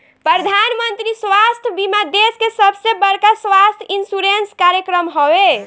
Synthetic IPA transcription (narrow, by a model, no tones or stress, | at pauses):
pɾəd̪ʱanmənt̪ɾisʋast̪ʰbimad̪eskesəbʱsebəɾkasʋast̪ʰinsuɾenskaɾjəkɾəmɦowe